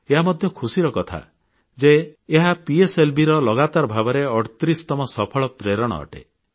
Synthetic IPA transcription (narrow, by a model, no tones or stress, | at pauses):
eɦamɔd̪ʱjɔkʰusiɾɔkɔt̪ʰa̰ | d͡ʒeːɦapieselbʱiɾɔlɔɡat̪aɾbʱabɔɾeɔɽt̪ɾist̪ɔmɔsɔpʰɔɭɔpɾeɾɔɽ̃ɔ̰ːʈḛ